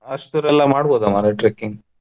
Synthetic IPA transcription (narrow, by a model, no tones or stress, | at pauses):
ɐʂt̪uɾɛlːɐmaːɽboːd̪amaːɾeʈɾekːiŋɡ